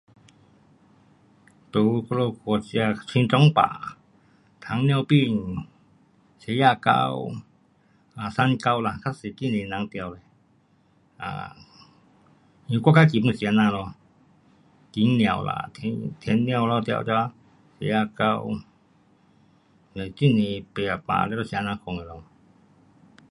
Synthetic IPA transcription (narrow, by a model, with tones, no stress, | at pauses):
t̪u˨˧ko˧lo˧kʰɔ˧˩t͡si˧a˧t͡sʰwi˧ʈ͡ʂɔ˦ŋpa̰˨ | t̪ʰa˨˦ŋn˧ã˧wpi˥˧˨ɲ˨ | se˨˧˦ja˧˨ka̰˧w | a˨sa˧nka˧wla˨kʰa˦˥si˨ki˦˧˨nĩ˨nã˨˧˦ŋt̪ja˧˨wle˨ | a̰˧˨ | ɲũ˧kʷa˦˧˨ka˦ki˨mũ˧˨si˧a˧nã˧lɔ˧ | ki˨˦ŋñ˧ã̰˨wla̰˧˨t̪ʰe˧˦t̪ʰe˧˦nn˧ã˧wlɔ˧t̪ja̰˧wt͡ʃa˧ | sḛ˧˦ja˧ka˧w | nə˨ti˦˨nĩ˧pe˧a˨pa̰˧˨le˧˦ɾɔ˧si˧a˧nã˧kʰo˧˨ŋe˨lo˧